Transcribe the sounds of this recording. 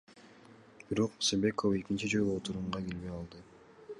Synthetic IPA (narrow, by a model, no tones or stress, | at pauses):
b̥iɾo̞qsebe̞kofe̞kint͡ʃid͡ʒolˠuot̪uɾuɴʁɑɡe̞lβejɑlˠd̪ɯ